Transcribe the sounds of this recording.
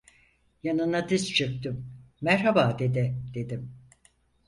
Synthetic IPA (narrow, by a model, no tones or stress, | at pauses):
janɯnad̪ist͡ʃʰɯk̚t̪ɯmː | ɛɾɦabaːd̪e̞d̪ɪd̪̥e̞d̪im